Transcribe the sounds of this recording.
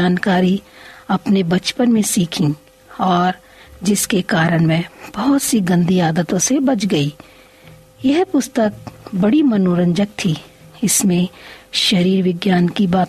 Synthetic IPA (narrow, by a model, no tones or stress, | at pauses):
aːnkaːɾiɐpnebɐt͡ʃpənmẽsiːkʰĩ | ɔːɾ | d͡ʒɪskekaːɾəɽ̃mẽb̥ɐɦʊt̪siɡɐ̃nd̪ʱiaːd̪ət̪õsebɐt͡ʃʰɡɐiː | jɛɦpʊst̪ək̚bɐɽimɐnoːɾə̃ɲd͡ʒək̚t̪ʰiɪsmẽʃɐɾiːɾʋɪɡjaːnkibaːt̪